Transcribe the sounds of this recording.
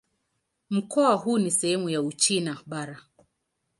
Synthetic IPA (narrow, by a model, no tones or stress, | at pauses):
m̩kɔahunisɛhɛmujaut͡ʃinaɓaɾa